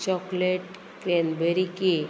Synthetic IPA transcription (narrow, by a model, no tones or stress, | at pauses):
t͡ɕɔkleʈ | kɾenbəɾike